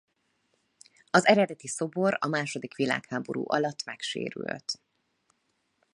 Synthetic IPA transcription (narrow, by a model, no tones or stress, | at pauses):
ɒzɛɾɛd̪ɛt̪iso̞bo̞ɾɒmaːʃo̞d̪ikʋila̰ːkhaːbo̞ɾṵːʔɒlɒt̪ːmɛkʃḛːɾy̰lt̪